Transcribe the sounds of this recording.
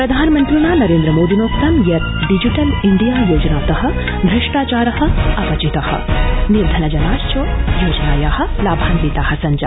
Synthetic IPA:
pɾɐd̪ʱaːnmɐnt̪ɾuɳaːnɐɾeːnd̪ɾɐmoːd̪inoːksɐmjɐt̪̚ɖid͡ʒiʈɐliɳɖijaːjoːd͡ʒɐnaːt̪ɐɦɐ̆ | d̪ʱɾɐʂʈaːt͡ʃaːɾɐɦɐ̆ɐpɐt͡ʃit̪ɐhɐ̰̆niɾd̪ʱɐnɐd͡ʒɐnaːst͡ʃoːjoːd͡ʒɐnaːjaːhɐ̆laːbʱaːŋɡɾiːt̪aːhɐ̆sɐɲd͡ʒa̰

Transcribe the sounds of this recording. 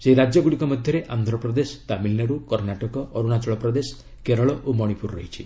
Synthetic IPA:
seiɾad͡ʒjɔɡuɽikɔmɔd̪ʱjɔɾeʔand̪ʱɾɔpɾɔd̪esɔ̥t̪amilnaɾukɔɾnaʈɔkɔɔɾuɽ̃at͡ʃɔɭɔpɾɔd̪esɔ̥ | keɾɔɭɔʔomɔɽ̃ipuɾːɔ̰ɦit͡ʃʰi

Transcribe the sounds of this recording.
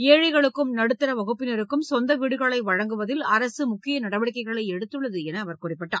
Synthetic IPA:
eːɻɐɪɣɐɭɯkːɯmnɐɽɯt̪ːɪɾɐʋɐɣɯpːɪnɐɾɯkːɯmsɔnd̪ɐʋiɽɯɣɐɭɐɪʋɐɻɐŋɡɯʋɐðɪlɐɾɐsɯmʊkːɪjɐnɐɽɐʋɐɽɪkːɐɪɣɐɭɐɪɛɽɯt̪ːɯɭːɐðɯɛnɐːʋɐɾkʊrɪpːɪʈːa̰ː

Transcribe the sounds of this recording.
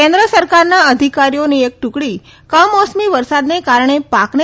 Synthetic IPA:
ẽnd̪ɾəsəɾkaɾnaəd̪ʱikaɾijoniek̚ʈukɽi | kəmɔsmiʋəɾsad̪nekaɾɳ̃epakne

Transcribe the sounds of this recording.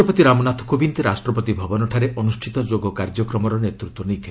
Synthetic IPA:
ɔpɔt̪iɾamɔnat̪ʰɔ̥kobint̪eɾasʈɾɔpɔt̪ibʱɔbɔnɔʈʰaɾeɔnusʈʰit̪ɔd͡ʒoɡɔkaɾd͡ʒɔkɾɔmɔɾɔnet̪ɾut̪wɔnejt̪ʰil

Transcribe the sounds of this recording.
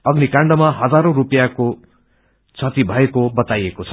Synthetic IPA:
ʌɡnikaɳɖʌmaɦʌd͡zaɾorupjako | t͡sʰʌt̪ibʱʌekobʌt̪ajekot͡sʰʌ̥

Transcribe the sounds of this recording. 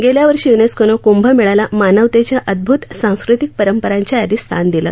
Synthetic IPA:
ɡeljaʋəɾʂiːjuneskonokumbʱəmiɭalamanəʋt̪et͡ɕjaʔəd̪̚bʱut̪sãw̃skɾit̪ik̚pəɾəmpəɾaɲt͡ɕjajad̪iːst̪ʰand̪ilə̰ː

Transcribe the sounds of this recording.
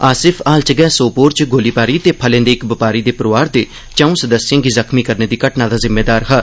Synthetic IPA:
aːsɪpʰaːlt͡ʃəɡɛːsoːpoːɾt͡ʃɡoːliːpaːɾiːt̪eːpʰəlẽːnd̪eːɪkbɪpaːɾiːd̪eːpəɾʋaːɾd̪eː | t͡ʃãːũːsəd̪əsɪjãːɡiːzəkʰmiːkəɾneːd̪iːkəʈnãːd̪aːzɪmːeːd̪aːɾɦə

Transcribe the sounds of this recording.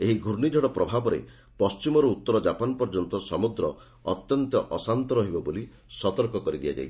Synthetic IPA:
eɦiɡʱuɾɳid͡ʒʱɔɽɔpɾɔbʱabɔɾḛ | pɔst͡ʃimɔɾuut̪ːɔɾɔd͡ʒapanpɔɾd͡ʒɔnt̪ɔsɔmud̪ɾɔ | ɔt̪jɔnt̪ɔʔɔsant̪ɔɾɔɦibɔboli | sɔt̪ɔɾkɔkɔɾid̪ija̰d͡ʒa̰j

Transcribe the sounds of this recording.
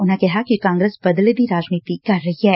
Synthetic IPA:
ʊnɦẽkɛɦakikãːŋɡɾeːsbɐd̪led̪iɾaːd͡ʒniːt̪ikɐɾːɐɦiɦɛː

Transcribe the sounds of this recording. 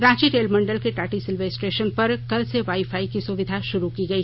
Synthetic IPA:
ɾãːd͡ʒiɾeːlmɐ̃ɳɖəlkeʈaːʈisɪlʋeːsʈeːʃənpɐɾkɐlseʋaːifʰaːikisʊʋɪd̪ʱaʃʊɾukiɡɐiː

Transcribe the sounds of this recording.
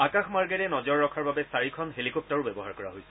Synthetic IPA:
akaxʰmaɹɡɛɹɛnɔzɔɹːɔkʰaɹbabɛsaɹikʰɔnɦelikɔp̚taɹʊbɛbɔɦaɹkɔɹa̰ɦojsɛ̥

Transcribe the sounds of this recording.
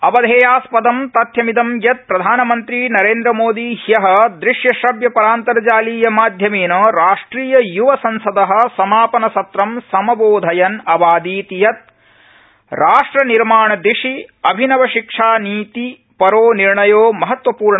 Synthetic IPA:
ɐbɐd̪ʱeːjaːspɐd̪ɐmt̪ɐt̪jɐmid̪ɐmjɐt̪̚pɾɐd̪ʱaːnɐmɐnt̪ɾinɐɾeːnd̪ɾɐmoːd̪ihjɐɦɐ̆d̪ɾiʂjɐʃɐbjɐpɐɾaːnt̪ɐɾɐd͡ʒaːliːjɐmaːd̪ʱjɐmeːnɐɾaːʂʈɾiːjɐjuʋɐsɐnsɐd̪ɐɦɐ̆sɐmaːpɐnɐsɐt̪ɾɐmsɐmɐboːd̪ʱɐjɐnɐbaːd̪iːt̪ijɐt̪̚ | ɾaːʂʈɾɐniɾmaːɳɐd̪ɾiʂiɐbʱinɐʋɐʃikʂaːniːt̪i | pɐɾoːniɾɳɐjoːmɐɦɐt̪ʋɐpuːɾɳɐ

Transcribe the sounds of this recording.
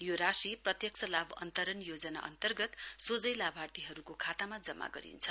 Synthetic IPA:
joɾasiprʌt̪jʌk̚sʰʌlabʌ̰nt̪ʌɾʌnjod͡zʌna̰ʔʌ̰nt̪ʌrɡʌt̪sod͡zʌjlabʱart̪iɦʌɾukokʰat̪amad͡zʌmːa̰ɡʌ̰ɾḭnt͡sʰʌ

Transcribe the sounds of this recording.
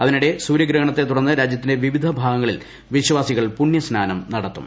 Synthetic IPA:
ɐðinuɽe̞suːɾjɐɡɾɐɦɐɳɐt̪ːe̞t̪ːuɽɐnːɨɾaːd͡ʑjɐt̪ːindeʋiʋid̪ʱɐbʱaːɡɐŋːɐɭil | ʋiɕɐʋaːsiɣɐɭpuɳjɐsnaːnɐmnɐɽɐt̪ːṵm

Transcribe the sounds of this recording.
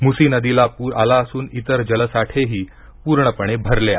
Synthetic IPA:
musinəd̪ilapuːɾalaəsuːnit̪əɾd͡ʑələsaʈʰeɦiː | puːɾɳəpəɳ̃ebʱəɾlea̰

